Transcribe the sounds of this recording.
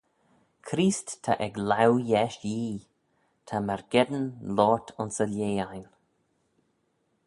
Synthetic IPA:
kʰɾiːsttʰa̰ʔɛɡlawjɛʃjiː | t̪ʰamɛɹɡ̥ɛd̪ənlɔːtʰʊnsəljeːajn

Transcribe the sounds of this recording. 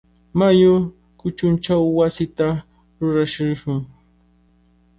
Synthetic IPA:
majʊ | kʊt͡ʃʊnt͡ʃawːasɪt̪a | ɾʊɾaʃɪʃʊŋ

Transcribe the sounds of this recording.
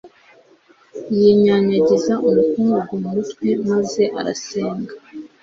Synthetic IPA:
jiɲaɲaɟezaʔumukuːŋɡaɡomumutwe̞maze̞ʔa̰ɾa̰seːŋɡḁ

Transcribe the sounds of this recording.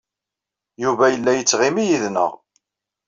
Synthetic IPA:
juvæjəlːæjət͡sːʁimijiðnə̰ʁ

